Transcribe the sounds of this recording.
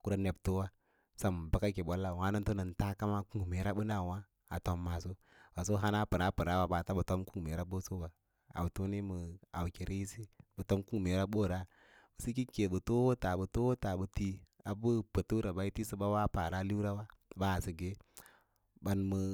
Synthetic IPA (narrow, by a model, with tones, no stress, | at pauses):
ku˦ɾa˦ne˨bto˦wa˦ | sa˦m˨ba˦ka˦ke˨bo˦lːa˨wa˦nu˦nto˦nə˨nta˦ka˦ma˦ku˦ŋ˨me˨˦ɾa˦bu˦na˦˨wa˦ | a̰˨to˨mːa˨so˦ | ba˨so˦ɦa˦na˦pɨ˨ɾa˦pɨ˨ɾa˦wa˦ba˨ta˦bu˨to˦mku˦˨me˨ɾa˦ɓo˦so˦ba˨ | a̰˨u˨tu˦ni˦mɨ˨a̰˨wke˨ɾi˦i˦si˦bu˨to˦mku˦ŋ˨me˨ɾa˦ɓo˦ɾa˦ | bɨ˨si˦ki˦ke˨bu˨to˦wo˦ta˨bu˨to˦wo˦ta˨bə˨ti˦a˨bu˦pə˨tu˦ɾa˨ba˨i˦ti˦su˦ba˦wa˦pa˨ɾa˦li˦u˦ɾa˦wa˦˨ba˦˨si˨ɡe˦ | ba˨nmɨ˨